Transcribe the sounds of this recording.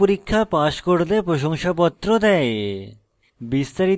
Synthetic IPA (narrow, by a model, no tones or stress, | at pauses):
oɾikʰːapaʃkoɽlepɾoʃoŋʃapɔt̪ːɾod̪ɛe | bist̪aɾi